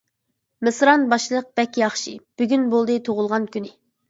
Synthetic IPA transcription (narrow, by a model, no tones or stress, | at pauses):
mɨsɾɑnbɑʃlˠəq̚b̥ɛkʲjɑχʃib̥yɡʲynbolˠd̪ɨt̪ʰoʁʊlˠʁɑnkʲynɪ